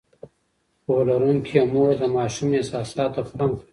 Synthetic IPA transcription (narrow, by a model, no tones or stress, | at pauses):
polaɾuŋkʰiemoɾd̪əmɑːʃumesɑːsɑːt̪oxaŋk